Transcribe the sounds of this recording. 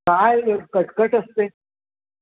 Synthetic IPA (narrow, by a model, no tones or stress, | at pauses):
ajəɾkəʈkəʈəst̪e